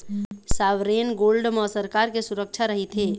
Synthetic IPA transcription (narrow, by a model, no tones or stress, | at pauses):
saʋɾenɡolɖməsəɾkaɾkesuɾək̚t͡ʃʰaɾəɦit̪ʰɦe